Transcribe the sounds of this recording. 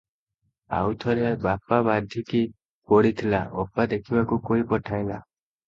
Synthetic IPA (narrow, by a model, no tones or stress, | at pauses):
a̰wt̪ʰɔɾebapabad̪ʱjiki | kɔɽit̪ʰilaɔpad̪ekʰibakukoipɔʈʰajla